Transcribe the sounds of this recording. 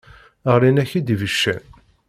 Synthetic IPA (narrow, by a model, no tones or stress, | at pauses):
əʁɾinæçid̪ivəʃːæ̰n